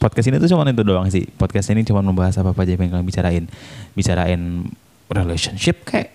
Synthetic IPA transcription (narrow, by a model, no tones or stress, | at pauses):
pɔt̚kasinit̪ut͡ʃumanint̪udoaŋsɪ̰hpɔt̪̚kasinit͡ʃumanməmbaɦasapapad͡ʒapaŋkaŋbit͡ʃaɾaɪnbit͡ʃaɾa̰ɪn | releʃɔnʃɪp̚kajaʔ